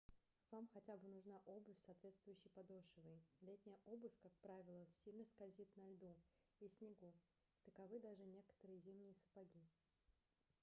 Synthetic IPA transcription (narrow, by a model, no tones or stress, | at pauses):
v̥amxɐtʲabɨnʊʐnaʔobɨfʲsɐːt̪vʲe̞t̪st̪vʊjʏɕːɪjpɐd̪oʂɨvɨjlʲet̪̚ʲnʲɪjəʔobɨfʲkakpɾavʲɪlˠəsʲilʲnəskɐlʲzʲit̪nɐlʲd̪u | isʲnʲɪɡu | t̪əkɐvɨd̪aʐɨnʲe̞kə̥t̪əɾɨjəzʲimnʲɪjəsə̥pɐɡʲi